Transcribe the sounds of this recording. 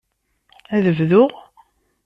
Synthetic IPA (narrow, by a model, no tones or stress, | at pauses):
æðəvðʊʁ